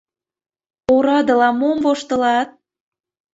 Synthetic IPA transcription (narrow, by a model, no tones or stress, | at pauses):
oɾɑd̪ə̆lɑmomvoʃt̪əlɑt̪̚